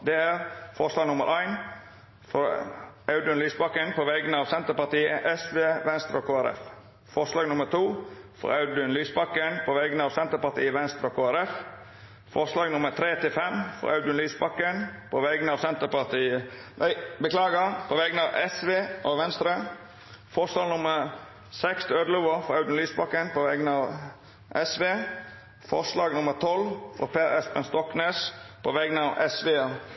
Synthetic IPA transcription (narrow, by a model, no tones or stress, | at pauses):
d̪ɛæːɾfɔɾʂlɑːɡnʊmə̰ɾʔæɪn | fɔɾɑʉd̪ʉnlyːsbɑkːənpʰɔʋɛɡənəɑːʋsɛnt̪əɾpɑʁt̪iːəʔɛsʋeːʋɛnst̪ɾəoːkʰoːæɾɛ̰f | fɔʂlɑːɡnʊmət̪ʰuːfɔ̰ɾɑʉd̪ʉnlyːsbɑkːənpʰoːʋɛɡənəɑːʋsɛnt̪əɾpɑt̪ʰḭːəʋɛnst̪ɾəoːkʰoːæɾɛf | fɔɾslɑːɡnʊməɾt̪ʰɾeːt̪ɪlfɛmfɔ̰ɾʔɑ̰ʉd̪ɪənlyːsbɑkːənpʰoʋɛɡnəɑːʋsɛnt̪əpɑʁt̪ʰiːəd̪æɪbəklɑːɡəpʰoːʋɛɡnəɑːʋʔɛsʋeːʔoʋɛnst̪ɾə | fɔʁʂlɑːɡnʊməɾ | sɛkst̪ʰøːd̪əluːʋəɾfɔɾɑʉd̪ɪnlyːsbɑkːənpʰoʋɛɡnəɑːʋ | ʔɛsʋeː | fɔ̰ʁʂlɑːɡnʊməʁt̪ʰɔlfɔ̰pʰeːɾɛspənst̪ɔkneːspʰoʋɛɡnəɑːʋʔɛsʋeːo